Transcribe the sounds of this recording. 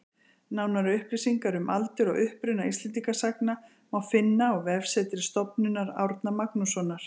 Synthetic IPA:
naːwnaɾʏʏhplisiŋkaɾʏmʔalt̪ʏɾɔ̰ɣʏhpɾʏnaist̪lɛnt̪ikasakna | mawfɪnːaɔɣvɛvsɛt̪ɪɾɪst̪ɔpnʏnːaɾa̰wɾt̪namaknusɔnaɾ̥

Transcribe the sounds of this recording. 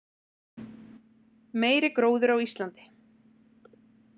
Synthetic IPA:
meːjɾɪkɾoːwðʏɾawist̪lant̪ɪ̥

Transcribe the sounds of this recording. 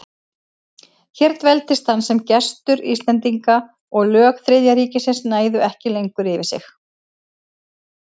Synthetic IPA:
çɛɾt̪vɛlt̪ɪst̪θhanːsɛmcɛst̪ʏɾḭst̪lɛnt̪iŋka | ɔɣlœːkθɾɪðjaɾiːcɪsɪnsnaːjðʏɛhcɪlejŋkʏɾɪvɪsɪ̰x

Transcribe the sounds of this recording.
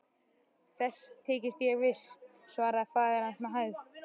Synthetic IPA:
θɛst̪ʰːɪːcɪst̪jɛɣvɪs | svaːɾafaːɣaɾansmaɦaːjð

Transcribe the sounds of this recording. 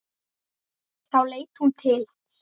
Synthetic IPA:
θawleːjt̪hunt̪ʰɪl

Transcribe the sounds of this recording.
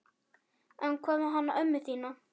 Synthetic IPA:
ɛnkʰɔːmʏɦanːa̰ʔʏmːɪθiːna

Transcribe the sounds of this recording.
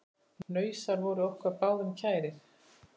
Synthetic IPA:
nœːɥsaɾvɔɾʏɔwhkvaɾpaːwðʏmcʰaːjɾɪθ

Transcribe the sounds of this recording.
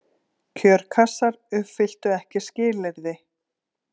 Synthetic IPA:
cʰœːɾkʰasaɾʏfɪl̥t̪ʏɛhcɪscɪːlɪɾðɪ

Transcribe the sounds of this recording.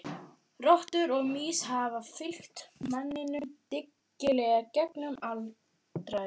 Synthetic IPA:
rɔht̪ʏɾɔɣmiːshaːvafɪl̥ht̪manːɪnʏmt̪ɪcːɪlɛːɣacɛknʏmal | t̪ɾa

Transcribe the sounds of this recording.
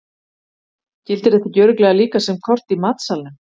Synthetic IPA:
cɪlt̪ɪɾðɛt̪acœːɾʏklɛɣaliːkasɛmkʰɔr̥t̪imaːt̪salnʏ

